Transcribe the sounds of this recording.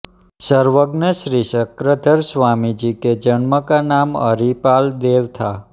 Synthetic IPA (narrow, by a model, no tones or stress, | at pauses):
səɾʋəɡnəʃɾisəkɾəd̪ʱəɾsʋamid͡ʒiked͡ʒənməkanamə̰ɾipald̪eʋt̪ʰa